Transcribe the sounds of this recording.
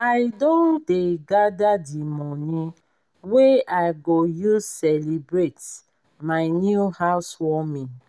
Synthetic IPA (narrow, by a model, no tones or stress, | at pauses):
ajdõndeɡadadimɔnĩ | weajɡojusɛlibɹet | maɪnjuhaʊswɔmĩ